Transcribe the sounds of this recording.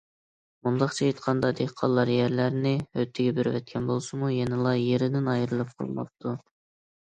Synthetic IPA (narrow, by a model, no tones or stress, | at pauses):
mund̪ɑqt͡ʃʰɑjet̪qʰɑnd̪ɑd̪ehqʰɑlˠːɑɾjæɾlæɾnɪøt̪ʰːɪɡʲɛbyɾvɛ̰t̪̚kʲʰɛnbolˠsumujɛnɪlˠɑjeɾɪd̪ɪnɑjɾɨlˠɨp̚qʰo̰lˠmɑ̰p̚t̪ʰːu